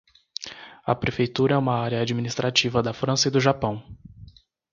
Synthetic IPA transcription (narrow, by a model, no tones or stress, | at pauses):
ɐ̰pɾefejt̪uɾɐɛũmɐaɾjɐad͡ʒiminist̪ɾat͡ʃivɐd̪ɐfɾɐ̃sɐid̪ʊʒapɐ̃w̃